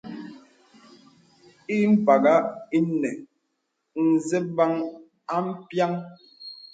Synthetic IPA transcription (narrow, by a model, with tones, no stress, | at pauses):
i˦m̩˦ba˨ɡa˦i˦nɛ˨ | n̩˨zɛ˦ba˦ŋ | a˦m̩˦pja˦ŋ